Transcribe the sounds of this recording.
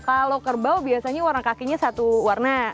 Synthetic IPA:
kalokərbawbiasaɲawarnakakiɲasat̪uwarna

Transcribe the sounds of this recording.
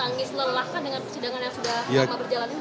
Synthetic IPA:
aŋɪsləlakandəŋanpərsidaŋanjaŋsudahamabərd͡ʒalani

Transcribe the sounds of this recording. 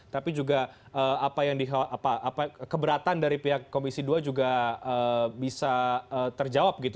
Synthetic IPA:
t̪apid͡ʒuɡa | əapajaŋdiɦaʔapaʔapakəbəɾat̪andaɾipiɦakːomisiduad͡ʒuɡaəbisaəːt̪ərd͡ʒawap̚ɡit̪u

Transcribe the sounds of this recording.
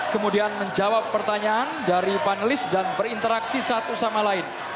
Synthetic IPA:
kəmudianməɲd͡ʒawapːərt̪aɲaːndaɾipanəlɪsdanpərint̪əɾaksisat̪usamalaɪn

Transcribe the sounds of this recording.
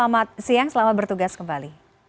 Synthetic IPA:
amat̪̚siaŋsəlamat̪̚bərt̪uɡaskəmbali

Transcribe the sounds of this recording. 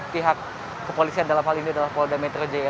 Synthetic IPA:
piɦakː | əpolisiandalamɦaliniadalahpoldamet̪ɾod͡ʒe

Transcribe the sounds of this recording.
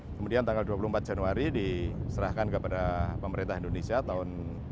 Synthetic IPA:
kəmudiant̪aŋɡalduapuluhmpat̪̚d͡ʒ̥anuaɾidisəɾahkankəpadapəməɾint̪aɦindonesiat̪aʊn

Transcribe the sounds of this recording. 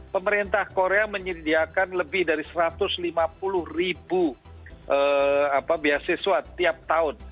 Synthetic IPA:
pəməɾint̪ahkoɾeaməɲədiakanləbɪhdaɾisəɾat̪ʊslimap̚ulʊhribu | ʔəapabiasesuat̪ːiap̚t̪aʊn

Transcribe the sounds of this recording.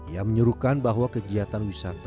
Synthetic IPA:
iaməɲəɾukanbaɦwakəɡiat̪anwisat̪

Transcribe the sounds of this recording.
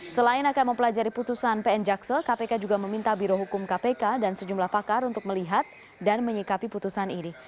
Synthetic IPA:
səlaɪnakanməmpəlad͡ʒaɾiput̪usanpeɛnd͡ʒaksəkapekad͡ʒuɡaməmint̪abiɾoɦukʊmkapekadansəd͡ʒumlahpakaɾunt̪ʊk̚məliɦat̪̚ | danməɲikapiput̪usanini

